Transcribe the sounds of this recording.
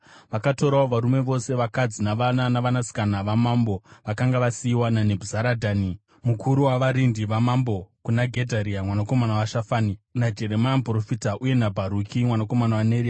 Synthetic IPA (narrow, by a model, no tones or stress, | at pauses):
ʋakato̞ɾaoʋaɾume̞ʋo̞se̞ʋakad͡zinaʋnanaʋanasi̥kanaʋamambo̞ʋakaŋɡaʋasiiwanane̞bʱuzaɾadʱaːni | mukʰuɾuwaʋaɾindiʋamambo̞kunaɡʱedʱaɾiamwanako̞manawaʃafaninad͡ʒe̞ɾemanpro̞fitaʔuje̞nabʱaɾukimwanako̞manawaneɾia